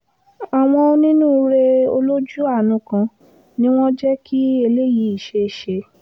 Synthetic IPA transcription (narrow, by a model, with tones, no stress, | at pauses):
a˨w̃ɔ̃˧o˧nĩ˦nũː˦ɾe˧o̰˧lo˦d͡ʒu˦a˦˨nũ˧˦kã˧ | nĩ˦w̃ɔ̃˦d͡ʒɛ˦ki˦e˧le˦ji˨˦i˦˨ʃe˧˨ʃe˧